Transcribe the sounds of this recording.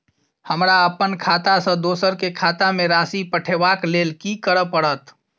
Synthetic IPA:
həmɾaəpənkʰat̪asə̃d̪osəɾkekʰat̪ameɾasipəʈʰebaklelkikəɾəpəɽət̪

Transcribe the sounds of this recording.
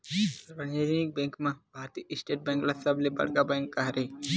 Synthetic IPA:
ɾbɐnd͡ʒed͡ʒnik̚bẽːŋkmãbʱaːɾt̪iɪsʈeːʈ̚bẽŋklasɐblebɐ̰ɽkabɛ̃ːŋkːaɦɾe

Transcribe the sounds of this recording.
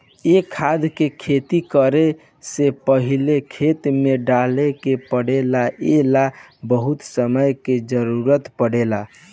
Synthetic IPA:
ekʰad̪kekʰet̪ikəɾe | sepəɦilekʰet̪meɖalekepəɽelaʔela | bəɦut̪səməjked͡ʒəɾuɾət̪pəɽela

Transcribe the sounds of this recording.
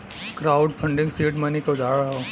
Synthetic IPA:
kɾaːʊɖpʰɐ̃ɳɖɪ̃ŋɡsiːʈmanikaʊd͡ʒaːɾaɦaoː

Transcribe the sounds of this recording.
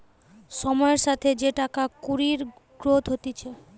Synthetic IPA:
ʃɔmɔeɾʃat̪ʰed͡ʑeʈakakuɾiɾ | ɡɾod̪ʱɦot̪it͡ɕʰe

